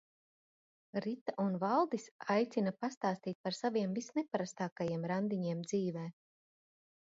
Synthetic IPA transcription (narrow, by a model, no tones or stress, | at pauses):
ɾit̪aʔunvalˠd̪isajt̪sinapast̪aːst̪iːt̪̚paɾsaviɛmvisnɛpaɾast̪aːkajiɛmɾand̪iɲiɛmd̪ziːvɛː